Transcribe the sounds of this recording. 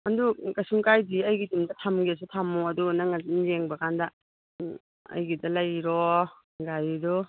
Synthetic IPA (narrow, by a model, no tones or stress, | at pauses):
ɐndukɐsuŋkajdiɐjɡitimdɐtʰamɡiɐs̬utʰamuɐdunaŋainzeŋbɐkʰandɐ | ɐ̰jɡidɐlɐjɾɔ | ŋɡajdu